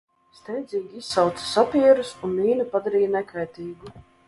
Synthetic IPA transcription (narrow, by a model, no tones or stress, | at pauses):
st̪ɛjd̪ziːɡʲiissawt̪sḁsapʲiɛɾusunliːnupad̪aɾiːjnɛkajt̪iːɡu